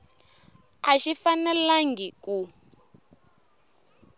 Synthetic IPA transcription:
aʃifanɛlaŋɡiku

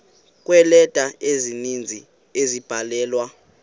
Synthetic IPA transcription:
k̬ʼwɛlɛd̥ʼʱaezinind͡zʱi | ezib̥ʱalɛːlwa

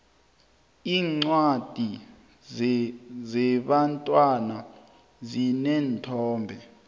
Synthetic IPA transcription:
iːŋ͡ǀwad̥ʱi | zɛɓantʼwana | zinɛːntʰɔːmbʱɛ

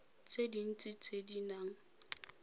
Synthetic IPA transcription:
t͡sʰedin̩t͡sʼit͡sʰedinaŋ̩

